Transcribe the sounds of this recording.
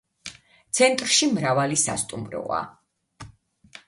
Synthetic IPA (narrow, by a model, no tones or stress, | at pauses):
t̪sʰɛnt̪ʼɾʃimɾavalisa̰st̪ʼumɾɔ̰a̰